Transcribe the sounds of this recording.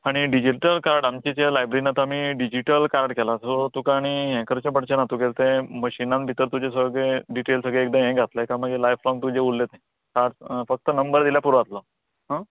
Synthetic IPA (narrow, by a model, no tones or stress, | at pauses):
aɽ̃iɖid͡ʑiʈəlkaɾəʈamt͡ɕit͡ɕelajbɾeɾinat̪əamiːɖid͡ʑiʈəlkaɾəʈkɛlasot̪ukaːɽ̃iɦɛ̃kəɾt͡ɕepəɽt͡ɕenat̪ukelt̪eməɕinãnbʱit̪əɾt̪ud͡ʑesəɡɭeɖiʈelsəɡɭeːk̚d̪ə̃ẽɡʱat̪lekaməɡelajflɔŋɡt̪ud͡ʑeulːet̪ẽ | saʈsfək̚t̪ənəmbəɾd̪iljapuɾat̪lə | ɦã